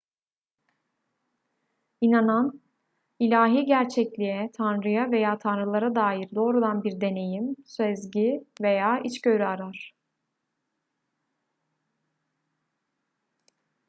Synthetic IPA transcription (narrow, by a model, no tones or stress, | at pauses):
inanan | ilʲaːɦiːɟæɾt͡ʃʰɛclʲijɛt̪ʰanɾɯjave̞jaːt̪ʰanɾɯlˠaɾad̪aːjiɾd̪o̞ːɾud̪anbiɾd̪e̞ne̞jimsøzɟive̞jaːʔit͡ʃɟøɾyaɾaɾ̥